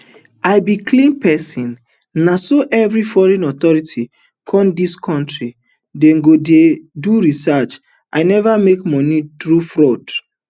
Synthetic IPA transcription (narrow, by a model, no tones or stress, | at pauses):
aɪbikʰlĩnpʰɛsĩnː | asoʔɛvɹifɔɹɛ̃nɔt̪ɔɹitʰi | kʰɔ̃ndiskʰɔ̃ntɹi | dɛ̃ŋɡodeduɹisat͡ʃ | ʔaɪnɛvamekmɔ̃nitɹufɹɔd